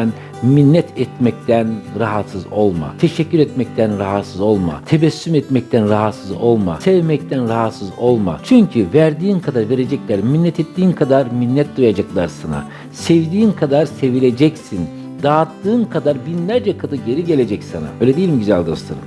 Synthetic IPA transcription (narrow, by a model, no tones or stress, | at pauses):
n | minːɛt̪ʰɛt̪mɛct̪ʰænɾaɦat̪sɯzo̞lˠma̰t̪ʰe̞ʃɛcːyɾɛt̪mɛc̚t̪ʰænɾaɦat̪sɯzo̞lˠma̰t̪ʰevɛsːymɛt̪mɛc̚t̪ʰænɾaɦat̪sɯzo̞lˠma̰sevmɛct̪ʰænɾaɦat̪sɯzo̞lˠma̰t͡ʃʰyɲcʰyvæɾd̪iːnkʰad̪aɾve̞ɾe̞d͡ʒɛclʲæɾminːɛt̪ʰɛt̪ːiːnkʰad̪aɾminːɛt̪̚d̪ujad͡ʒaklˠaɾsana̰ | sevd̪iːnkʰad̪aɾse̞vilʲe̞d͡ʒɛcsin | d̪aːt̪ːɯːnkʰad̪aɾbinlʲæɾd͡ʒɛkʰad̪ɯɟe̞ɾiɟe̞lʲe̞d͡ʒɛcsana̰bøːjlʲed̪ejilʲimɟyzælʲd̪o̞̰slˠaɾɯm